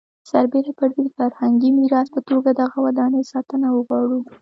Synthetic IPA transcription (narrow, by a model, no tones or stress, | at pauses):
saɾbeɾapəɾdefaɾhaŋɡimiɾɑspət̪oɡad̪aɣawad̪ɑnəsɑt̪ənawəɣwɑɽu